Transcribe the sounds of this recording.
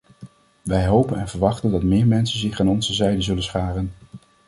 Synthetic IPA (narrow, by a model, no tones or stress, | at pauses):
ʋɛjɦowpənɛnvəɹʋɑχtəndɑtmɪːɹmɛnsənzɪχaːnɔnzəzɛjdəzɵlənsχaːrən